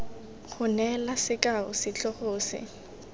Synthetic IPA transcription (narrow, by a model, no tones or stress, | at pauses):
χʊnɛlasɪkʼaʊ̰sɪt͡ɬʼɔχʊːsɪ̰